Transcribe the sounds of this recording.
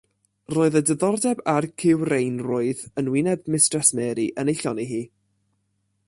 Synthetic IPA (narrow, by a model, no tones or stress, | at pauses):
roːɨðədəðɔrdɛbarkʰɪwrejnrʊːɨðənwɪnɛb̚mɪstrɛsmɛːɾiʔənejɬɔniɦiː